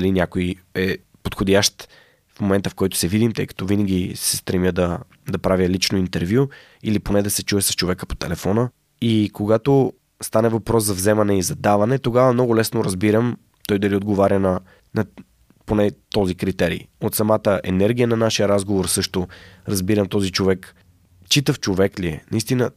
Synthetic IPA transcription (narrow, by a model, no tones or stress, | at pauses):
ɐlinʲakojɛ | pot̪xod̪ʲaʃt̪ | fmomɛnt̪əfkɔjt̪ʊ̥sɛvid̪imt̪ɤ̰jkɐ̥t̪ɔvinəɡʲisɛst̪ɾɛmʲjəd̪ɐ | d̪ɐpɾavʲjəlit͡ʃnoint̪ɛɾvju | iliponɛd̪ɐsɛt͡ʃuɛsɐ̥st͡ʃovɛkəpo̥t̪ɛlɛfɔnə | ikoɡat̪o | st̪anɛvɐpɾɔszɐvzɛmɐnɛizɐd̪avɐnɛt̪oɡavɐmnɔɡʊlɛsnoɾɐzbiɾəm | t̪ɔjd̪ɐlʲiod̪̚ɡovaɾʲənɐ | nɐ | ponɛt̪ɔzikɾit̪ɛɾḭːot̪sɐmat̪əʔɛ̰nɛɾɡʲijənɐnaʃijəɾazɡovoɾsɤʃt̪oɾɐzbiɾəmt̪ɔzit͡ʃovɛk | t͡ʃit̪əft͡ʃovɛkliɛnɐist̪inə